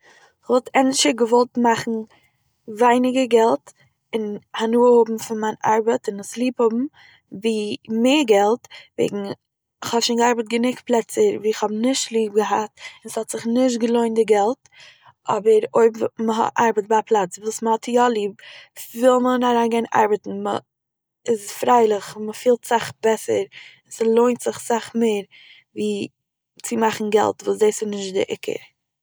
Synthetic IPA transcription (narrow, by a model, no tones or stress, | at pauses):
ɪχvɔlˠtʰɛnʃəɡəvɔlˠtmaχn̩ | vaɪnɪɡəɡɛlˠt | ɪnhanuːəhʊbm̩fɪnmaɪna̰ɾbətɪnɪslˠiːphʊbm̩ | viːmeːɾɡɛlˠtvḛɪɡŋ̩ | ɪχhɔʃiːnɡəaɾbətɡənɪkplˠɛt͡səɾviːɪχhɔbnɪʃtlˠiːb̚ɡəɦatɪnshɔtz̥ɪχnɪʃ̬tɡəlˠoɪndɪɡɛlˠt | ʔɔbəɾoɪbməɦɔ̰ʔaɾbət̚bapʰlˠat͡svuːsməhɔtʰjɔlˠiːb̚fɪlˠmənaɾaːnɡaɪnʔa̰ɾbətn̩mə̰ | ɪsfɾaɪlˠɪχməfiːlˠtz̥aχb̥ɛsəɾɪnsəlˠoɪntz̥ɪχz̥aχmeɪɾ | viː | t͡sɪmaχn̩ɡɛ̰lˠtvuːs̬deɪsɪnɪʃtdɪ̰ʔɪ̰kʰə̰ɾ